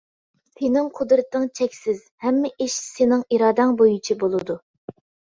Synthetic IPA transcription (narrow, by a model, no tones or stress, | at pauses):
sʰenɪŋqʰʊd̪ɾɨt̪ːɨŋt͡ʃʰɛkʲsɪz̥hɛmːɪʔiʃsenɪŋiɾɑːd̪ɑŋbojut͡ʃʰibolˠɨd̪u